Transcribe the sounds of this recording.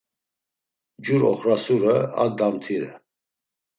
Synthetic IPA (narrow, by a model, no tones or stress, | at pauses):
d͡ʒuɾɔ̰χɾasuɾəa̰d̪amt̪ʰiɾɛ̰